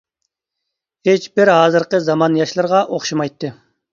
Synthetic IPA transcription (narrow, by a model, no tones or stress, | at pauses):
het͡ʃbɪɾɦɑːzɨɾqəzɑmɑnjɑʃlˠɨɾʁɑʔoχʃimɑjt̪ʰːɨ